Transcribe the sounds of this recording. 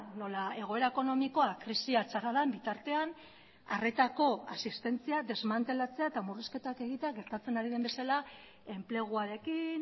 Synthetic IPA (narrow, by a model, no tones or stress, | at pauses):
no̞lae̞ɣ̞o̞e̞ɾaeko̞no̞miko̞akɾisiat͡ʃaraðaembit̪aɾt̪e̞an | a̰re̞t̪ako̞a̰sist̪e̞nt͡siaðe̞zmant̪e̞lat͡se̞aet̪amuriske̞t̪ake̞ɣ̞it̪eaɣe̞ɾt̪at͡se̞naɾiðe̞mbe̞sala | e̞mple̞ɣ̞uaɾe̞kin